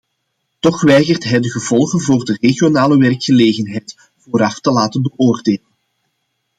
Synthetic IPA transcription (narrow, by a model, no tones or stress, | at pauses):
tɔxʋɛjɣərtɦɛjdəɣəvɔlˠɣənvoːrdəreɣijonaːləʋɛrkxəleːɣənɦɛjt | v̥oːɾɑftəlaːtənbəʔoːrdeːlən